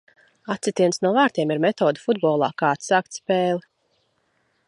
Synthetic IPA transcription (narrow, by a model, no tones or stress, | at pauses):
at̪sʲit̪ʲiɛnsnuɔvaːɾt̪ʲiɛmiɾmɛt̪ɔːd̪ufud̪bɔːlˠɑ̰ːkaːt̪saːk̚t̪spɛːlˠ